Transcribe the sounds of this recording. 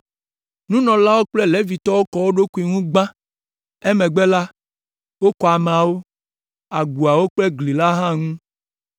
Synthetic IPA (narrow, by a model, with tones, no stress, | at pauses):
nũ˦nɔ̃˨la˦wo˦k͡plɛ˦le˨˦vi˨t̪ɔ˦wo˦kɔ˨wo˦ɖo˦ku˨i˨ŋũ˦ɡ͡bã˦ | e˦mẽ˨ɡ͡bɛ˦la˦ | wo˦kɔ˨a˨mẽ˨a˨wo˦ | a˨ɡ͡bu˨a˨wo˦k͡plɛ˦ɡli˨la˦ɦã˦ŋũ˦